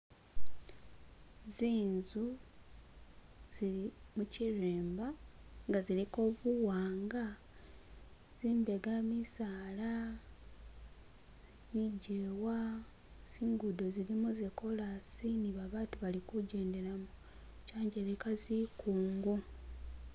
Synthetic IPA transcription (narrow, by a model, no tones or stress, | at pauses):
ziːnzu | z̥iimuciɾeːmbaŋɡaziliko̞ːβuwaːŋɡa | z̥iːmbe̞ɡamisaːla | miɟewa | z̥iːŋɡudozilimuzeko̞lasiniβaβaːtuβalikuɟe̞ːnde̞ɾamu | caːɲɟenekazikuːŋɡu